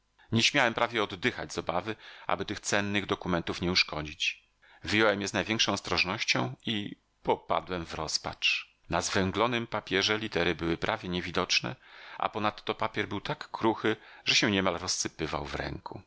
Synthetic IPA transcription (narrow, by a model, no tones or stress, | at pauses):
ɲɛɕmʲjawɛmpɾavʲjɛɔd̪ːɘxa̰d͡ʑz̥ɔbavɘʔa̰bɘt̪ɘxt̪sɛnːɘɣd̪ɔkumɛnt̪ufɲɛuʂkɔd͡ʑit͡ɕ | vɘjɔwɛmjɛznajvʲjɛ̃ŋkʂɔ̃w̃ɔst̪ɾɔʐnɔɕt͡ɕɔ̃w̃i | pɔpa̰d̪wɛmvɾɔspa̰t͡ʂ | nazvɛŋɡlɔnɘmpapʲjɛʐɛlʲit̪ɛɾɘbɘwɘpɾʔavʲjɛɲɛvʲid̪ɔt͡ʂnɛ̰ʔa̰pɔnat̪ːɔpapʲjɛɾbɘwt̪akːɾuxɘʐ̥ɛɕɛɲɛmalɾɔsːɘpɘva̰wvɾɛ̰ŋku